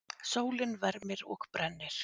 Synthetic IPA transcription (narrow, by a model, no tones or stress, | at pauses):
soːwlɪnvɛɾmɪɾɔ̰ɣpɾɛnːɪɾ̥